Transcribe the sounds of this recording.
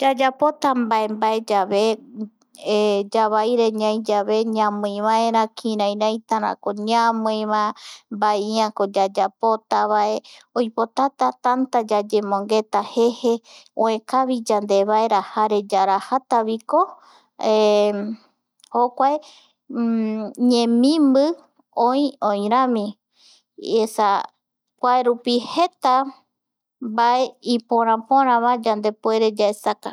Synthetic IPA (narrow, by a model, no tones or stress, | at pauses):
d͡ʒad͡ʒapot̪ambae̞mbae̞d͡ʒaβe | d͡ʒaβajɾe̞ɲãj̃d͡ʒaβe̞ɲãmɨ̃βãeɾãkʰĩɾãj̃ɾãj̃t̪aɾã̰koɲãmɨjβambaiãko̞d͡ʒad͡ʒapo̞t̪aβaeojpo̞t̪at̪at̪ant̪ad͡ʒad͡ʒe̞mõ̞ŋɡe̞t̪ahe̞he̞õẽkaβid͡ʒand̪e̞βaeɾahaɾe̞d͡ʒaɾahat̪aβiko̞ | hokʷae | ɲẽmĩmbɨ | õĩõj̃ɾãmĩ | esa | kʷaeɾupihe̞t̪a | bae̞ipõɾ̃ãpõɾ̃ãβad͡ʒand̪e̞poe̞ɾe̞d͡ʒaesaka